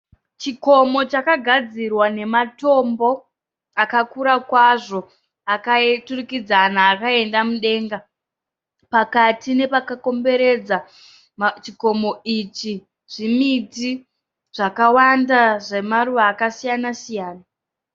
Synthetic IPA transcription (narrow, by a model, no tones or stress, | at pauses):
t͡ʃiko̞mo̞t͡ʃakaɡʱad͡zirwane̞mato̞mbo̞ | akakuɾakwaʐo̞ | akaeturukid͡zanaːkae̞ndamuɗe̞ːŋɡa | pakatine̞pakako̞mbe̞ɾe̞d͡za | t͡ʃiko̞mo̞it͡ʃi | ʐ̥imiti | ʐ̥akawandaʐemaruʋaːkasijanasijaːna